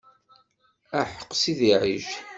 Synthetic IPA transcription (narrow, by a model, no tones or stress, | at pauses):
æħə̥qːsiðiʕiʒ